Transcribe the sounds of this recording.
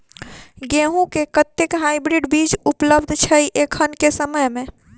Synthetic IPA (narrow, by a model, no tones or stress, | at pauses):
ɡeɦũkekət̪ekɦajbɾiɖbid͡ʒupləbd̪ʱt͡ʃʰəjʔekʰənkesəməjmẽ